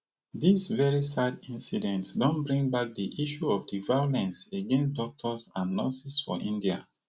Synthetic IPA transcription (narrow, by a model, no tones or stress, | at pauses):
disvɛɹisadĩnsidɛ̃ntsdɔ̃nbɹĩŋbak̚diʔiʃuɔvdivajolɛ̃nseɡɛ̃ns̬tdɔk̚tʰɔsãnːɔsisfɔ̰ʔĩndia̰